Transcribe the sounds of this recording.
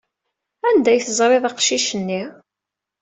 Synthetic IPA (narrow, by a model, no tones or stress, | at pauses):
ænd̪æjθəzˤɾˤeðˤɑqʃiʃənːi